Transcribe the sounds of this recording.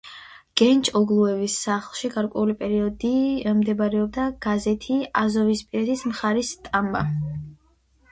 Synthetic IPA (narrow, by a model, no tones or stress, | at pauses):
ɡ̥ɛnt͡ʃʼɔɡlˠuɛvisːaχlˠʃiɡaɾkʼwɛulipʼɛɾiɔd̪imd̪ɛbaɾɛɔb̚d̪aɡ̥azɛt̪ʰiazɔvispʼiɾɛt̪ʰismχaɾist̪ʼamba̰